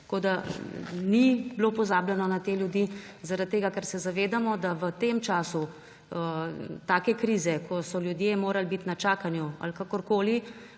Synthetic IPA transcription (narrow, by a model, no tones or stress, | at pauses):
t̪koːd̪a | nibloːpɔzaːbljɛnɔnat̪eːljud̪i | zaɾat̪̚t̪ːeːɡakɛɾsɛzaʋeːd̪amɔd̪aʋət̪emt͡ʃaːsu | ət̪aːkɛkɾiːzɛkʰɔsɔljud̪jemoːɾalbit̪nat͡ʃaːkanjua̰lkaːkɔɾkoːli